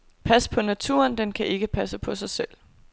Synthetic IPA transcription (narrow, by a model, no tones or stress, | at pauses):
pʰæspʰɒ̽næt͡sʰṵɐnd̥enkʰæʔe̝ɡ̥əpʰæsəpʰɒ̽sɑ̈ɪsel̰